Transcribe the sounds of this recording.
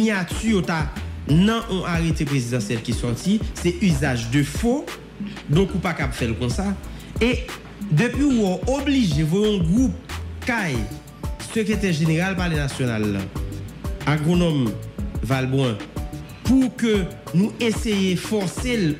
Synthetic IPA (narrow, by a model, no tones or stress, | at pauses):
iɲatyjot̪anɐ̃ʔɔ̃ʔaʁet̪epʁezid̪ɑ̃sjɛlkisɔʁtisɛʔyzaʒdøfo | dõkupakapfɛlkɔ̃sae | d̪øpɥiwɔobliʒevoɔ̃ɡʁup̚kaj | søket̪ɛʁʒeneʁalpalenasjonalːɐ̰̃ | aɡʁonɔmvalbwɛ̃ | pukønũesejefɔʁsel